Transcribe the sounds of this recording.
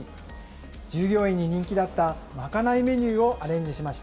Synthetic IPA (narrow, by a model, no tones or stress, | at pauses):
d͡ʑɨːɡʲo̞ːĩɲ̟ːiɲ̟ĩŋkʲid̪at̪ːa | makanaime̞ɲ̟ɨːo̞ʔaɾẽ̞ɲ̟d͡ʑiɕimaɕi̥t̪